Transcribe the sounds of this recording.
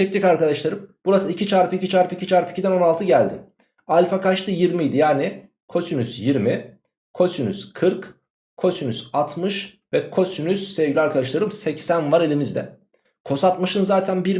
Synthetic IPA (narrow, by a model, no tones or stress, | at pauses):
ɛct̪ikaɾkad̪aʃlˠaɾɯmb̥uɾasɯicit͡ʃʰaɾpʰɯicit͡ʃʰaɾpɯicit͡ʃʰaɾpi̥cʰid̪æno̞nalˠt̪ʰɯɟælʲd̪ɪ | alʲfakaʃt̪ʰɯjiɾmijd̪ijaːnɪ | kʰo̞synysjiɾmi | kʰo̞synyskʰɯɾk | kʰo̞synyz̥at̪ʰmɯʃ | vɛkʰo̞synyz̥sɛvɟʲilʲaɾkʰad̪aʃ̬lˠaɾɯmsɛcsænvaɾe̞lʲimizd̪ɛ̰ | kʰo̞sat̪mɯʃɯnzaːt̪ʰænbiɾ